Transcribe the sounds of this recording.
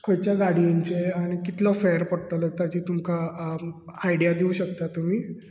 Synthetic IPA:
kʰojt͡ɕjaɡaɽiãɲt͡ɕeaɽ̃ikit̪lɔfeəɾpɔɽʈələt̪at͡ɕiːt̪umka | ajɽijad̪iuːɕəkt̪at̪um̤iː

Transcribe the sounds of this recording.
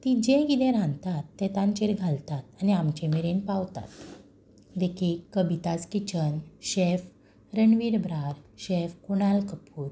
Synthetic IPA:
t̪id͡ʑẽkit̪ẽɾãnt̪at̪ːɛt̪ãɲt͡ɕeɾɡʱalt̪at̪aniamt͡ɕemeɾenpaʋt̪a̰t̪ | d̪ekʰikːəbʱit̪askit͡ɕənɕef | ɾəɳʋiɾbɾaɾɕefkuɽ̃alkəpuːɾ

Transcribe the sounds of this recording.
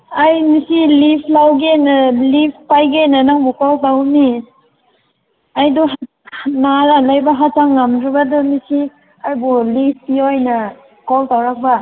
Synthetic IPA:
ajmisilipʰlawɡenalip̚ʰpajɡenanaŋbukɔltawni | ajdɔɦ | naɾalajbaɦataŋːamtɾibadɔmisi | ajbulip̚ʰpiojna | kɔltawɾak̚ba

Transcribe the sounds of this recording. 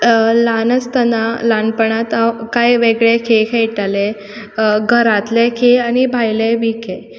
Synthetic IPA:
lanət͡st̪ənalanpəɳat̪akajʋeɡɭekʰekʰejʈale | ɡʱəɾat̪lekʰeañibʱajleʋikʰe

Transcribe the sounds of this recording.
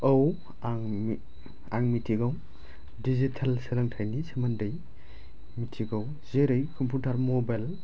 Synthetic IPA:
ɐw | aŋ | aŋmitʰiɡaw | dizitʰɐlselɐŋtʰajnisemɐndɐj | mitʰiɡaw | zeɾɯjkʰɔmpʰutʰaɾmɔbajl

